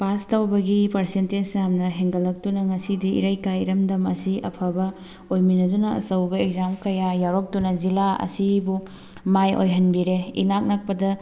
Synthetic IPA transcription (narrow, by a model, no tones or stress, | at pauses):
pastawbɐɡipɐɾsentensjamnɐɦeŋɡɐlːɐk̚tunɐŋɐsidiḭɾajkajɾɐmdɐmɐsiʔɐ̰pʰɐbɐ | ojminɐdunɐɐ̰sɐwbɐek̚zamkɐjajaɾok̚tunɐzilaɐ̰sibu | majo̰jɦɐnbiɾeḭnak̚nɐk̚pɐdɐ